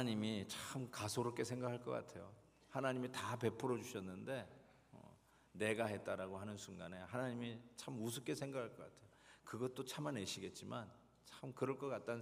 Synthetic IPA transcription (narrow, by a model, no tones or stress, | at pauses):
ɲimit͡ɕʰaɯmkasʰoɾok͈e̞sʰeŋɡakʰaɭk͈ʌk͈a̰tʰe̞jo | hanaɲimitape̞pʰuɾʌd͡ʑuɕʰʌnːɯnde̞ | ʌ̰ | ne̞ɡaɦe̞t̚t͈aɾaɡoɦanɯnsʰuŋɡane̞hanaɲimit͡ɕʰamus̬ʰuk͈e̞sʰe̞ŋɡakʰaɭk͈ʌk͈a̰tʰe̞jokɯɡʌt͈ot͡ɕʰamane̞ɕʰiɡe̞t̚t͡ɕ͈iman | t͡ɕʰaɯmkɯɾʌɭk͈ʌk͈at̚t͈an